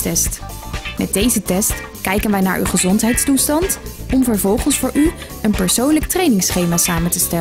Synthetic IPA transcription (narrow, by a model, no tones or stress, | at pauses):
tɛst | mɛ̰dejzətɛst | kɛjkənʋɛjna̰ːɹʔy̰χəzɔntɦɛjtstustɑntɔmvəɹvɔlˠχənsfʊːɹʔy | ənpəɹsownlək̚trejnɪŋsχejmaːsaːməntəstɛl